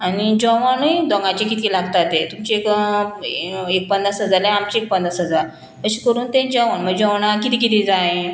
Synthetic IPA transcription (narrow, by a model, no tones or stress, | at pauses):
anid͡ʑɔʋanəjd̪ɔ̃ŋɡãt͡ɕekit̪ʰilaɡt̪at̪et̪umt͡ɕeek | ek̚pənd̪ɾasɦəd͡zaɾleamt͡ɕiek̚pənd̪ɾasɦəd͡zaɾ | kəɕikəɾuːnt̪ẽd͡ʑɔ̃ʋaɳməɡd͡ʑɔʋɳakit̪ik̬it̪ĩd͡zaẽ